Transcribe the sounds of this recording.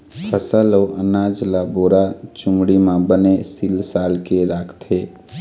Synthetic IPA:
pʰəsəloːʔənaːd͡ʒlaboːɾat͡ʃʊmɽimãbənesilsaːlkeɾaːkʰt̪ʰe

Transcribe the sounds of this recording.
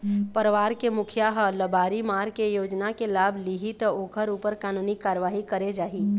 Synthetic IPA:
pəɾəʋaːɾkemʊkʰjaɦələbaːɾimaːɾkejoːd͡ʒnakelaːbʱliɦit̪əoːkʰəɾuːpəɾkaːnuːnikaːɾəʋaːɦikəɾed͡ʒaːɦiː

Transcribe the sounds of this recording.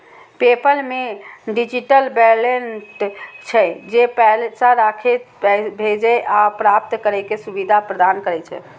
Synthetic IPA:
pepəlmeɖid͡ʒiʈəlbɛlenʈt͡ʃʰɛd͡ʒepɛlsaɾakʰe | bʱed͡ʒɛʔapɾap̚t̪kəɾɛkesubid̪ʱapɾəd̪ankəɾɛt͡ʃʰɛ̰

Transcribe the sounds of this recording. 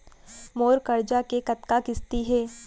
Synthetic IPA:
moːɾkɐɾd͡ʒakekɐt̪kakɪst̪iɦɛː

